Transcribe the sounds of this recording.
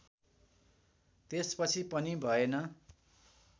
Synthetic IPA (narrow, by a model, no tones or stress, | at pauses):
t̪espʌt͡sʰipʌnibʱʌenʌ